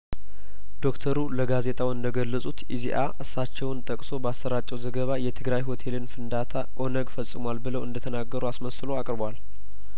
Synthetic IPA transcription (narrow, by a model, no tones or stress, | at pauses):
d̪o̞kt̪ʰəɾuləɡaze̞t̪ʼawɨnd̪əɡəlːəsʼut̪iziʔa̰ʔɨsːat͡ʃːɛwnt̪ʼəkʼso̞bəasːəɾat͡ʃʼːɛwzəɡəβajɛt̪ʰɨɡɾajho̞t̪ʰe̞lɨnfɨnd̪at̪ʰaʔo̞nəɡfəsʼːɨmwalbɨləwʔɨ̰nd̪ət̪ʰənaɡːəɾuasməsɨlo̞akʼɾbwal